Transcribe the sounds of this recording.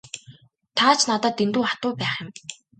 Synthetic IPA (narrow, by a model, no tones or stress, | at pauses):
t̪ʰaːt͡ɕʰnat̪aːt̪ent̪uːχat̪ʊːpæːχjɪ̆m